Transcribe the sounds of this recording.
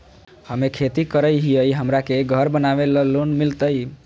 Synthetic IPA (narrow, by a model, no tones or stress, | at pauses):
həmekʰet̪ikəɾəjɦijəjɦəmɾakeɡʱəɾbənaʋeləlonmilt̪əj